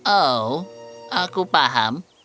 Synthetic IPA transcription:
ʔo | akupaɦa̰m

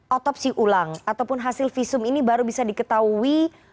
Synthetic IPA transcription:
ʔɔt̪ɔp̚siʔulaŋat̪awpʊnɦasɪlfisʊminibaɾubisadikət̪aui

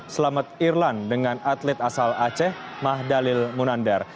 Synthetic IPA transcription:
səlamat̪̚irlandəŋanat̪lɛt̪asalat͡ʃɛh | mahdalɪlmunandɛr

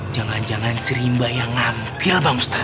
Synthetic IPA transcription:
d͡ʒaŋand͡ʒaŋansəɾimbajaŋampɪlbamust̪ḁ

